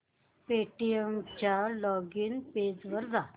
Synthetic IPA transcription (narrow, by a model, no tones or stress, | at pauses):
peʈijemt͡ɕjalɔɡiːnped͡zʋəɾd͡za